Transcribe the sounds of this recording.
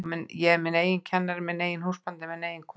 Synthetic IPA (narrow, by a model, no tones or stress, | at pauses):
mɛnjɛɛmɪneːjɪncʰɛnːaɾɪmɛneːjɪnhuspant̪ɪmɛðneːjɪnkʰ